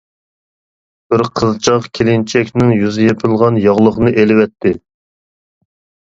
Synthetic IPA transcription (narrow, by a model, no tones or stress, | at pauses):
b̥ɪɾqʰəzt͡ʃʰɑqkʲʰelɪnt͡ʃʰɛkʲnɪŋjyzɪjepʰɨlˠʁɑnjɑʁlˠəχnɨʔelɪwɛt̪ʰːɪ